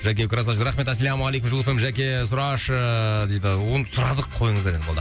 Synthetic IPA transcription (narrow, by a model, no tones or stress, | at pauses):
ʒæk̬ʲewɪkʲɾɑz̬ɑʒɾɑχme̞t̪æsælʲæmalejkʊmʒʊlˠfemʒækʲe̞s̬ʊɾɑʃəd̪ejd̪ɪʊnsʊɾɑd̪əqʰːo̞jəɴzd̪ɑɾebolˠd̪ə